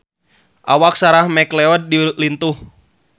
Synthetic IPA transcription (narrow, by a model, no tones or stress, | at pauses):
ʔawak̚saɾahmɛklɛɔd̚ːilint̪uh